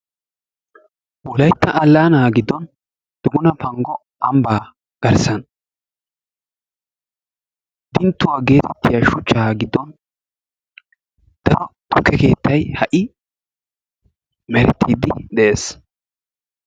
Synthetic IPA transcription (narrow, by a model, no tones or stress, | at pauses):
wɔlɐjt̪ːɐʔːlːaːnaːɡɪd̪ːɔn | d̪̥ʊɡʊnɐpɐŋɡɔ | ʔɐmbaː | ɡ̥ɐɾsɐn | d̪̥ɪnt̪ːʊwaːɡe̞ːt̪ʰɛt̪ːɪjaʃʊt͡ʃːaːɡɪd̪ːɔn | d̪̥ɐɾɔt̪ʊkːɛke̞ːt̪ːɐjhɐʔɪ | mɛɾɛt̪ʰːiːd̪ɪd̪ɛʔe̞ːs